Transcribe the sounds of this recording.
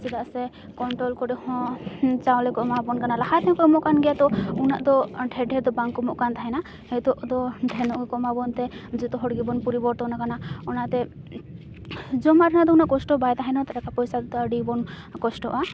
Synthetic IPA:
sid̪asɛ | kɔɳʈɾɔlkɔɾihɔ̃t͡ʃawlɛkɔʔmabɔnkanalahat̪ʰɛ̃kɔmɔʔkanɡɛjat̪ɔunaʔd̪ɔʈʰɛɖʱɛd̪ɔbaŋkɔmɔʔkant̪aɦajna | hɛt̪ɔʔd̪ɔd̪ʱɛnɔʔɡkɔmabɔnt̪ɛd͡ʒɛt̪ɔɦɔɽɡibɔnpuɾibɔɾt̪ɔnakanaɔnat̪ɛ | d͡ʒɔmaɾanaʔd̪ɔunaʔkɔsʈɔbajt̪aɦɛnɔt̪aɾakapɔjsad̪t̪aɖibɔn | kɔsʈɔʔa

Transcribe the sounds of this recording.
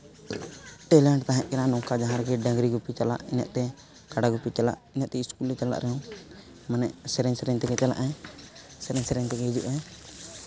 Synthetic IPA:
ʈɛlɛɳɖt̪aɦɛ̃ʔkɛnanɔ̃kad͡ʒaɦãɾɡɛɖə̃ŋɡɾiɡupit͡ʃala̰ʔḭnɛʔt̪ɛ | kaɖaɡupit͡ʃala̰ʔinɛʔt̪ɛiskulɛt͡ʃala̰ʔɾɛɔ̃ | manɛʔsɛɾɛɲsɛɾɛɲt̪ɛɡɛt͡ʃala̰ʔɛ | sɛɾɛɲsɛɾɛɲt̪ɛkɛid͡ʒuʔɛ

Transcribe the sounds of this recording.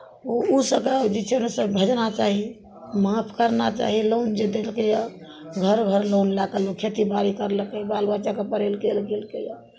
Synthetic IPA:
ousəbked͡ʒet͡ʃʰenesəbbʱəd͡ʒnat͡ʃaɦi | mapʰkəɾnat͡ʃa̰ɦilond͡ʒed̪elkejaɡʱəɾɡʱəɾlonlaɡəlokʰet̪ibaɾikəɾləkebalbat͡ʃakepəɾelɡelɡelkeja

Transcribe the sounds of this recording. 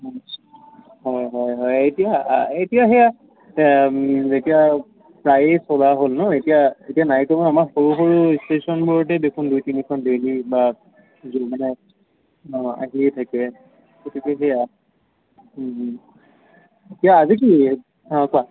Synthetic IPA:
ɦɔjɦɔjɦɔjetijaetijaɦɛja | zetija | pɹajsɔlaɦolnʊetijaetijanajkobɔnamaɹxoɹuxoɹustesɔnbuɹɔt̬ɛbekʰundujtinikʰɔndeliba | zomanɛ | a̰ɦiɛtʰakɛ | ɡotʰikɛɦɛja | etijaːzik̬i | kua

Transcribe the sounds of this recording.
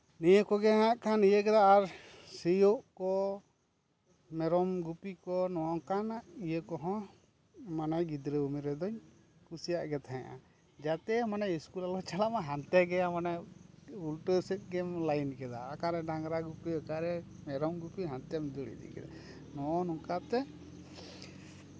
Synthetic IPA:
nijəkɔɡɛɦãʔkʰanijəkɛd̪aːɾsijɔʔkɔ | mɛɾɔmɡupikɔnɔwakanaʔijəkɔɦɔ̃ | manajɡid̪ɾəumiɾɛd̪ɔɲ | kusijaʔɡɛt̪ʰaɦɛ̃ʔa̰ | d͡ʒat̪ɛmanajiskulalɔt͡ʃalamaɦant̪ɛɡɛamana | ulʈəɾsit̪̚ˀɡɛmlajnkɛd̪aːkaɾɛɖaŋɾaɡupiakaɾɛ | mɛɾɔmɡupiɦant̪ɛmd͡ʒɔɽḭd̪ḭkɛ̰d̪a̰ | nɔɔnɔŋkat̪ɛ

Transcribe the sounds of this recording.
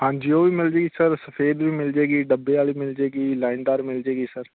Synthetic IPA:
ɦãːɲd͡ʒiːoːʋiːmɪld͡ʒeːɡiːsəɾsəpʰeːd̪ʋiːmɪld͡ʒeːɡiːɖəbːeːaːliːmɪld͡ʒeːɡiːlaːɪnd̪aːɾmɪld͡ʒeːɡiːsəɾ

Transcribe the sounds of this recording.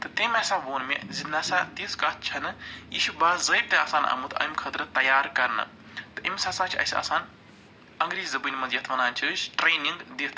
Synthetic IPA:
t̪ɨt̪emɛsaːʋoːnmezinɐsaːt̪iːskɐt̪̚t͡ʃʰɐnɨḭʃubaːzəb̚t̪eɐ̰ːsaːnɐ̰mut̪ʰɐ̰mʲkʰɐt̪ɾɨt̪ɐjaːɾkɐɾnɨ̰ | t̪ɨʔimʲsaːsãːt͡ʃʰiɐ̰sʲɐ̰ːsaːn | ɐŋɡɾiːzɐbɨːnʲmɐnzjɐt̪ʰʋɐnaːnt͡ʃʰiʃʈɾeːniŋɡd̪it̪

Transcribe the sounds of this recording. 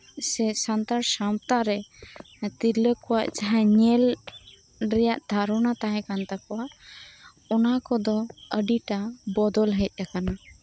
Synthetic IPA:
sɛsant̪aɾsamt̪aɾɛ | t̪iləkɔwaʔd͡ʒaɦãɲɛl | ɾɛjaʔd̪̥ʱaɾɔnat̪aɦɛ̃kant̪akɔwaʔ | ɔnakɔd̪ɔəɖiʈabɔd̪ɔlɦɛc̚ˀʔakana

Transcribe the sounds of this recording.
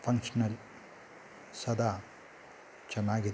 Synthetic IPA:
fʰɐŋkʂɐnɐl | sɐd̪aː | t͡ʃɐnaːɡi

